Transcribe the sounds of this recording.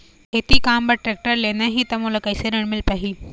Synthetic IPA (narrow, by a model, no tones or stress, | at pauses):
et̪ikaːmbɐʈɾek̚ʈəɾlenɐɦit̪ɐmulɐkɐjseɾeɽ̃mɪlpaɦiː